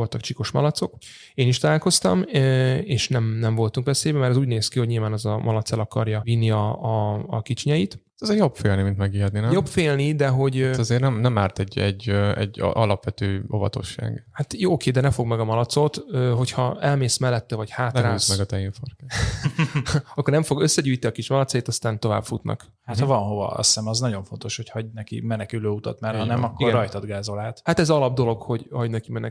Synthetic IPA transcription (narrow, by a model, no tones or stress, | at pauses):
o̞lt̪ɒkt͡ʃiko̞ʃmɒ̰lɒt̪so̞k | eːniʃt̪ɒlaːlko̞st̪ɒ̰meːʃnɛmnɛɱvo̞lt̪uŋkʋɛseːbɛmɛɾɛzuːɟneːskiho̞ɟɲilvaːnɛzɒmʔɒlɒt̪sɛlɒkɒrjɒinːiɒ̰ːkit͡ʃiɲɛjit̪ | ɛzejobfeːlnimint̪mɛɡiɦɛt̪niːnɛjopfeːlnid̪ɛɦo̞ɟɒzeːrnɛmnɛmaːrt̪ɛɟːɛɟːɛ̰ɟ̰ʔɒlɒpʋɛt̪øːo̞̰vɒ̰t̪o̞̰ʃːa̰ːɡhat̪joːokeːd̪ɛnɛfo̞ɡmɛɡɒmɒlɒt̪so̞t̪øːɦo̞chɒɛlmeːsmɛlːɛt̪ːɛvɒchaːtnraːismɛɡɒt̪ɛiɱforkɛ | ɒkːornɛɱfo̞ɡøsːɛɟuːjt̪iɒkiʃmɒlɒt̪sɒjeːt̪ɒst̪aːnt̪o̞va̰ːbfut̪nʔɒ̰k | hat̪hɒvɒnɦo̞vɒ̰ɒ̰ssɛmɒznɒɟo̞ɱfo̞nt̪o̞ʃho̞chɒɟnɛkḭmɛnɛkyløːut̪ɒt̪mɛrhɒnɛmɒkːoiɡrɡɛːɒjt̪ɒd̪ɡaːzo̞laːt̪hat̪ɛzɒlɒb̚d̪o̞lo̞ɡho̞ɟhɒɟnɛkimɛnɛ